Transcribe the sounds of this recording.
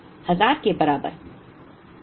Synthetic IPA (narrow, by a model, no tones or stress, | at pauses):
hɐzaːɾkebɐɾaːbə̰ɾ